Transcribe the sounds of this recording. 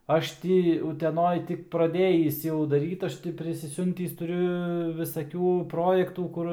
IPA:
ˈɐʃ tʲɪ ʊtʲɛˈnoːj ˈtʲɪk prɐˈdʲeːjiːs jɛʊ dɐˈrʲiːt ˈɐʃ tʲɪ pʲrʲɪsʲɪˈsʲʊnʲtʲiːs tʊˈrʲʊ ʋʲɪsɐˈkʲuː ˈproːjɛktuː ˈkʊr

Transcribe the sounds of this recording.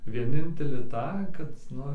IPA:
ʋʲiɛˈnʲɪnʲtʲɛlʲɪ ˈtɑː kɐt ˈnʊ

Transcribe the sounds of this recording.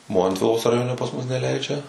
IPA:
ˈmoːnʲtʲʋʲɪlˠoːs rɐˈjoːnʲɛ pɐs mʊs nʲɛˈlʲɛɪd͡ʒʲɛ

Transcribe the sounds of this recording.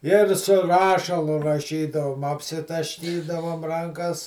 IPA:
ɪr sʊ ˈrɑːʃɐlˠʊ rɐˈʃʲiːdɐʋoːm ɐpʲsʲɪtɐʃʲˈkʲiːdɐʋoːm ˈrɐŋkɐs

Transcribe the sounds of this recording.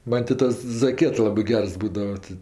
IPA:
ˈmɐnʲ tʲɪ ˈtɐs zɐˈkʲiɛt ˈlˠɑːbɜ ˈɡʲɛrs ˈbuːdɐʋɐ tʲɪ

